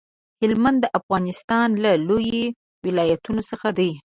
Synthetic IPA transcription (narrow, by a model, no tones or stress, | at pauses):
hɪlmand̪ːəʔafɣɑnɪst̪ɑnlaloje | wɪlɑjat̪unosəxad̪aj